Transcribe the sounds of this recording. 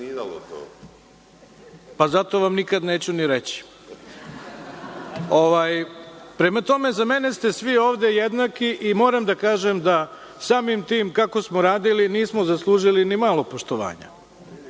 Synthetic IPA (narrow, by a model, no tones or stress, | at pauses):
lot̪o̰ | pazat̪o̞ʋamnikad̪neːt͡ɕuniɾet͡ɕi̥ | oʋaːjpɾe̞mat̪o̞me̞zame̞ne̞st̪e̞sʋioːʋd̪e̞jed̪nakiʔimo̞ːɾamd̪akaːʒemd̪a | saːmimt̪iːmkako̞smoɾaːd̪iliniːsmozaslˠuːʒilinimalˠo̞poʃt̪oʋa̰ːɲa̰